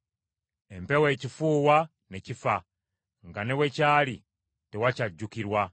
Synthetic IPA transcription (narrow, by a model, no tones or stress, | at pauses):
empewe̞ːcifuːwa | necifa | ŋɡanewe̞caːli | tewacaɟːukiɾwa